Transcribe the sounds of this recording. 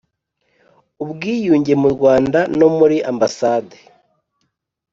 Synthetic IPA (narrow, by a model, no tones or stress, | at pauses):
ubɡiːjuːɲɟe̞muɾɡwaːndano̞muɾiʔambasaːde̥